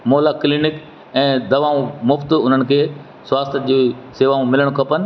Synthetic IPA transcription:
moːlaːklinɪk | ɛ̃ːd̪ɐʋaːũmʊft̪ʊn̤ənɪ̆kʰeː | sʊaːst̪ʰəd͡ʑiːseːʋaːũmɪləɽ̃kʰɐpənɪ̆

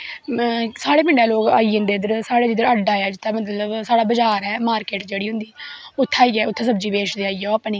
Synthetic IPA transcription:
saːɽeːpɪ̃ɳɖaːloːɡa̰ːiːə̃nd̪eːd̪əɾsaːɽeːd̪iɪd̪əɾəɖaːjaːd͡ʒɪt̪ːaːmət̪ləbsaːɽaːbəd͡ʒaːɾɛːmaːɾkeːʈd͡ʒeːɽiːɦʊ̃nd̪iːʊt̪ʰːaːiːɛːʊt̪ʰːẽːsəbd͡ʒiːbeːt͡ʃd̪eːaːiːɛoaːpniː

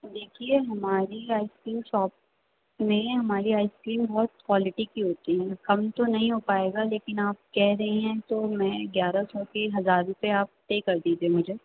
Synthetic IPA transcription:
d̪eːkʰieɦɐmaːɾiaːɪskɾiːmʃɔːp | mẽɦɐmaːɾiaːɪskɾiːmbɔːt̪kwaːlɪʈikiɦoːt̪iɦɛ̃kɐmt̪onɐɦĩɦopaːeːɡaleːkɪnaːp̚kɛɦɾɐɦĩɦɛ̃t̪omɛ̃ːɡjaːɾasɔːkeɦɐzaːɾʊ̃peaːp̚t̪ekɐɾd̪iːd͡ʒ̪ẽmʊd͡ʒʱe

